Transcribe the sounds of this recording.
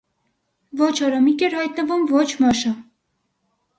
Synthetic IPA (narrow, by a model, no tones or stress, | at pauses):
vɔt͡ʃʰɑɾɔmikɛɾhɑjt̪nəvumvɔt͡ʃʰmɑʃə